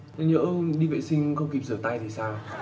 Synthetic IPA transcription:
ɲə̰˧˥ɗi˧vḛ˧˨sï˧ŋ̟xə˧wŋ͡mki˨˩p̚zəː˧˩t̪a˧jt̪ʰi˨˩saː˧w

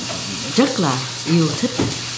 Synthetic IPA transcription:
zə˦˥t̚laː˨˩ | ʔi˧əwt̪ʰi˦˥k̚

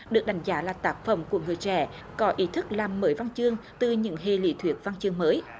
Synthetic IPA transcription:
ɗɨ˨˩ək̚ɗa˨˦jŋ̟zaː˨˦laː˨˩t̪aː˦˥k̚fə˧˩wŋ͡mku˧˩əŋɨ˨˩əjt͡ɕɛ̰˧˩ | kɔ˨˦ʔi˨˦t̪ʰɨ˦˥k̚laː˨˩mːəː˨˦jva˧nt͡ɕɨ˧əŋt̪ɨ˨˩ɲɨ̰˧˥ŋɦe˨˩lḭ˧˦t̪ʰwi˨˩ək̚va˧nt͡ɕɨ˧əŋməː˨˦j

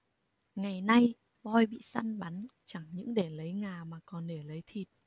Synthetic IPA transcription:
ŋa˨˩jna˧j | ɓɔ˧jɓḭ˧˨sa˧nɓa˨˦nt͡ɕa˧˩ŋɲɨ̰˧˥ŋɗe˧˩lə˨˦jŋaː˨˩maː˨˩kɔ˨˩nɗe˧˩lə˨˦jt̪ʰi˨˩t̚

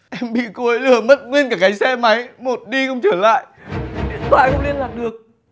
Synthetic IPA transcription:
ʔɛ˧mɓḭ˧˨ku˧˨˦jlɨ˧˩əmə˦˥t̚ŋwi˧nkaː˧˩ka˨˦jsɛ˧ma˨˦jmo˨˩t̚ɗi˧xə̰˧wŋ͡mt͡ɕəː˧˩la̰ː˧˨jʔi˨˩ət̚t̪wa̰ː˧˨jxə˧ŋ͡mli˧ənlaː˨˩t̚ɗɨ˨˩ək̚

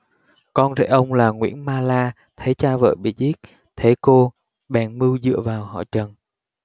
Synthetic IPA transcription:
kɔ˧nzḛ˧˥jʔə˧wŋ͡mlaː˨˩ŋwḭ˧˥ənmaː˧laː˧ | t̪ʰə˨˦jt͡ɕaː˧və̰ː˧˨jɓḭ˧˨zi˦˥t̚ | t̪ʰe˨˦ko˧ | ɓɛ̰˨˩nmɨ˧wzɨ̰˧˨əvaː˨˩whɔ̰˧˨t͡ɕə˨˩n

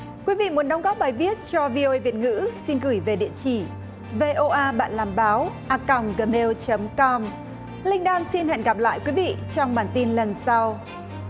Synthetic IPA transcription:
kwi˨˦vḭ˧˨mu˨˩˦nɗɔ˨˦wŋ͡mɣɔ˦˥p̚ɓaː˨˩jvi˦˥ət̚t͡ɕɔ˧vi˧o˧ʔə˧jvi˨˩ət̚ŋɨ̰˧˥si˧nɣɨ˧˩jve˨˩ɗḭ˧˨ət͡ɕi˧˩ | ve˧ʔo˧ʔaː˧ɓa̰ː˧˨nlaː˨˩mɓaː˨˦wʔaː˧ka˨˩wŋ͡mɣəː˨˩me˧wt͡ɕə˨˦mkɔ˧m | lï˧ŋ̟ɗaː˧nsi˧nhɛ̰˧˨nɣa˨˩p̚la̰ː˧˨jkwi˨˦vḭ˧˨t͡ɕɔ˧wŋ͡mɓaː˨˩nt̪i˧nlə˨˩nsa˧w

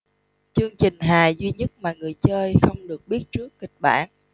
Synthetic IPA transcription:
t͡ɕɨ˧əŋt͡ɕï˨˩ŋ̟ɦaː˨˩zwi˧ɲə˦˥t̚maː˨˩ŋɨ˨˩əjt͡ɕəː˧jxə˧wŋ͡mɗɨ˨˩ək̚ɓi˦˥ət̚t͡ɕɨ˦˥əkːï˨˩k̟̚ɓa̰ː˧˩n

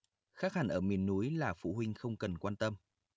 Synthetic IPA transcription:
xaː˦˥k̚ha˧˩nʔəː˧˩mi˨˩ənːu˨˦jlaː˨˩fṵ˧˨ɦwï˧ŋ̟xə˧wŋ͡mkə˨˩nkwaː˧nt̪ə˧m

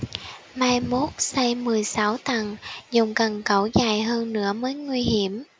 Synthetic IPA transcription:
maː˧jmo˦˥t̚sa˧jmɨ˨˩əjsa˨˦wt̪a˨˩ŋzʊ˨˩wŋ͡mkə˨˩nkə˨˧˦wzaː˧˩jɦəː˧nːnɨ̰˧˥əməː˨˦jŋwi˧hi˧˩əm

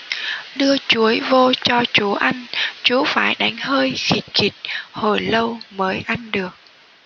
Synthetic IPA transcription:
ɗɨ˧ət͡ɕu˨˦əjvo˧t͡ɕɔ˧t͡ɕu˨˦ʔa˧ŋt͡ɕu˨˦faː˧˩jɗa˨˦jŋ̟ɦəː˧jxi˨˩t̚ki˨˩t̚ho˧˩jlə˧wməː˨˦jʔa˧jŋɗɨ˨˩ək̚

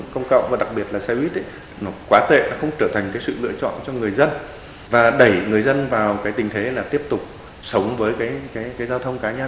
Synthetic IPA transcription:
kə˧wŋ͡mkə̰˧˨wŋ͡mvaː˨˩ɗa˨˩k̚ɓi˨˩ət̚laː˨˩saː˧jwi˦˥t̚ə˨˦ | nɔ˨˦kwaː˨˦t̪ḛ˧˨nɔ˨˦xə˧wŋ͡mt͡ɕəː˧˩t̪ʰa˨˩ŋ̟kaː˨˦jsɨ̰˧˨lɨ̰˧˨ət͡ɕɔ̰˧˨nt͡ɕɔ˧ŋɨ˨˩əjzə˧n | vaː˨˩ɗə˧˩jŋɨ˨˩əjzə˧nvaː˨˩wkaː˨˦jt̪ï˨˩ŋ̟t̪ʰe˨˦laː˨˩t̪i˦˥əp̚t̪ʊ˨˩k͡p̚ | sə˨˦wŋ͡mvəː˨˦jkaː˨˦jkaː˨˦jkaː˨˦jzaː˧wt̪ʰə˧wŋ͡mkaː˨˦ɲə˧

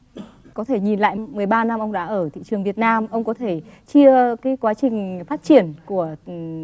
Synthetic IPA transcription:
kɔ˨˦t̪ʰe˧˩ɲi˨˩nla̰ː˧˨jmɨ˨˩əjɓaː˧na˧mʔə˧wŋ͡mɗa̰ː˧˥ʔəː˧˩t̪ʰḭ˧˨t͡ɕɨ˨˩əŋvi˨˩ət̚naː˧mʔə˧wŋ͡mkɔ˨˦t̪ʰe˧˩t͡ɕi˧əkaː˨˦jkwaː˨˦t͡ɕï˨˩ŋ̟faː˦˥t̚t͡ɕi˧˩ənku˧˩ə

